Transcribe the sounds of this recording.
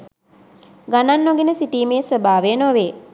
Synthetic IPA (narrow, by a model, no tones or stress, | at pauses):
ɡananːoɡinəsiʈiːmeːsəbaːʋenoʋeː